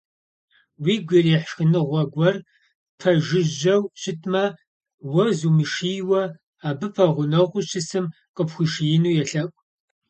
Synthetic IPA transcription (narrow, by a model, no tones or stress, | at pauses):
wiːɡʷɐriːħʃxɨnɨʁʷɐɡʷɐr | pʰɐʒɪʒɐwɕɪtʰmɐ | wɐzumɨʃiːwɐ | aːbɨfʰɐʁʷʊnɐʁʷʊɕʰɪsɨm | qʼəpxʷiʃijɪnuːjɛɬɐkʷʼ